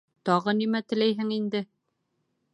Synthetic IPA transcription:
t̪ɒʁɤnimæt̪ɘ̆læjɦɘŋind̪ɘ

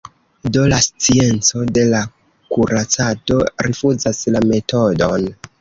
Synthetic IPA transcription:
do̞last͡sie̞nt͡so̞de̞la | kuɾat͡sato̞̰ɾifuzaslame̞to̞don

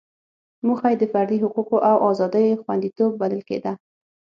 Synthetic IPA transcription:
muxajd̪əfaɾd̪iɦʊquqoʔawʔɑzɑd̪əjoxwa̰nd̪it̪obːaləlkḛd̪a

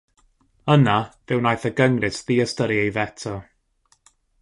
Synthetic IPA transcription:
ənavɪwnajθəɡəŋrɪsðiːəstəɾiejvɛtʰɔ

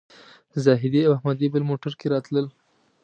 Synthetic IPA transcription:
zɑɦɪd̪iawahmad̪ibɪlmoʈaɾkeɾɑt̪ləl

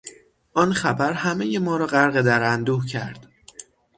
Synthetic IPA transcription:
ʔɒːnxæbæɾhæme̞jemɒːɾɒːɢæɾɣed̪æɾænd̪uːhcʰæɾd̪̥

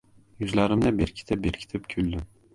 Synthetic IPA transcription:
jyzlaɾɪmd̪abeɾkʲʰi̥t̪ʰɪp̚beɾkʲʰi̥t̪ʰɪpkʲʰylʲd̪ɪm

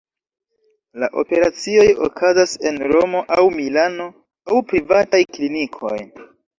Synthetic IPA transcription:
laʔo̞̰pe̞ɾat͡sio̞jo̰kʰazase̞nɾo̞mo̞ʔawmilano̞ | awpɾivatajklinikʰo̞̰j

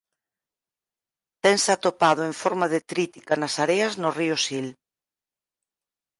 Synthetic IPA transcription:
t̪ɛŋsat̪opað̞ʊeɱfɔɾmaðɪt̪ɾit̪i̥kanasaɾeɐznʊriʊsil

